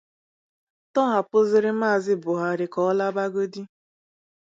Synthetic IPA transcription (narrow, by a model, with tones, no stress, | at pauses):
tɔ˦ɦa˨pʊ˦zɪ˦ɾɪ˦maː˦˨zɪ˦bʊ˨ɦa˨ɾɪ˨kɔ˦ɔ˦la˦ba˦ɡo˦di˦